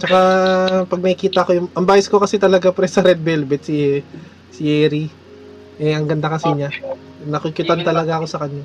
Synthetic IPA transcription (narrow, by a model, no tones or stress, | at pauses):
t͡ʃɐkapɐɡ̚nɐkɪkiːt̪ɐʔɐko̞jʊŋʔɐmbaːjɪsko̞kɐsɛt̪ɐlɐɡapɾɛsɐɾɛd̪̚bɛlbɛt̪̚si | sɪʔɛːɾi | ʔɛɐŋɡɐnd̪akɐsɪɲa | nɐkɪkjʊt̪ant̪ɐlɐɡaʔɐko̞sɐkɐɲːa